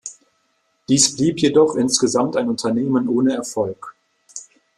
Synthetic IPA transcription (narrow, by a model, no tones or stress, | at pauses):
d̥iːsb̥liːpjedɔχʔɪnsɡ̥əzamtaɪnʊntʰɐneːmənʔoːnəɛɐfɔlk